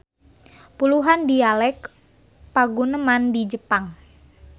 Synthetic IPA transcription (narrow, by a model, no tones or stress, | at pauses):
puluɦandialɛk | paɡunəmandid͡ʒəpaŋ